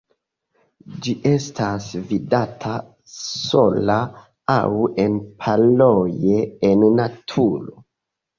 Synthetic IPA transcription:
d͡ʒiʔe̞stʰasvidatʰa | so̞la | a̰we̞npʰalojeːnːatʰulo

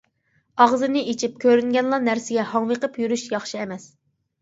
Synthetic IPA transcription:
ɑʁzɨnɪʔet͡ʃʰip̚kʲʰøɾyŋɡʲɛnlˠɑnæɾsɪɡʲɛhɑŋwəqəpjyɾyʃjɑχʃiɛmɛs

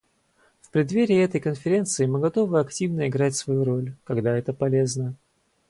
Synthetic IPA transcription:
fpɾʲɪd̪vʲeɾʲɪɛt̪əjkənfʲɪɾʲe̞nt̪sɨɪmɨɡɐt̪o̞vɨɐktʲivnəɪɡɾatʲsvɐjuɾo̞lʲkɐɡd̪aɛt̪əpɐlʲe̞znə

